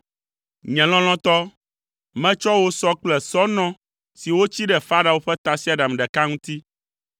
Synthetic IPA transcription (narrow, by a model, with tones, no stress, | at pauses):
ɲɛ̃˨l̃ɔ̃˦l̃ɔ̃˦t̪ɔ˦ | mɛ̃˦t͡ʃɔ˦wo˦sɔ˦k͡plɛ˨sɔ˦nɔ̃˦ | si˨wo˦t͡ɕi˦ɖɛ˨fa˦ɖa˨wo˦ɸɛ˦t̪a˨si˦a˨ɖa˨mɖɛ˨ka˦ŋũ˦t̪i˦